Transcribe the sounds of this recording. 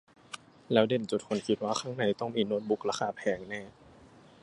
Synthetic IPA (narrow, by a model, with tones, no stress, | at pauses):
lɛː˦˥wde˨˩nt͡ɕu˨˩t̪̚kʰo˧˩nkʰi˧˥t̪̚waː˧xʰaː˧˥˩ŋna˨˧˩jt̪ɔ˥˩ŋmiː˧˩no˦˥t̪̚bu˧˦˥k̚laː˧˥kʰaː˧˩pʰɛː˨˦ŋnɛː˥˧˩